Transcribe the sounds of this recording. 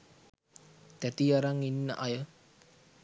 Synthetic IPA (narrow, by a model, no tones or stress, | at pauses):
t̪æt̪iaɾaŋinːə̰ʔajə